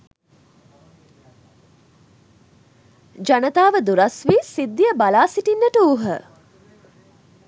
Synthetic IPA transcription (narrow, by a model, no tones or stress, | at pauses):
d͡ʒanət̪aːʋəd̪uɾasʋisid̪ːijəbalaːsiʈinːəʈəuɦə